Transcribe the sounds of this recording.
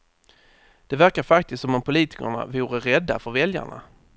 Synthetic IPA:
d̪̥ɛvæɾkaɾfakt̪ɪst̪sɔmɔmpʰʊliːt̪ɪ̥kə̰ɳa̰vuːɾəɾɛd̪ːa̰fœɾvɛlja̰ɳa̰

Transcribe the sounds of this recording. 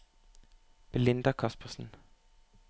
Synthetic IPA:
b̥lɪnd̪̥ɐkʰɑspɐsn̩

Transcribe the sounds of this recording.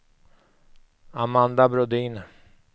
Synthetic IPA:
amand̪abɾɔd̪iːn

